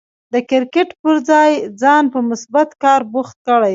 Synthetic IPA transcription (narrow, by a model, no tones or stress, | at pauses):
d̪əkɪɾkɪʈpəɾd͡zɑjd͡zɑnpəmʊsbat̪kɑɾbuxt̪̚kəɽaj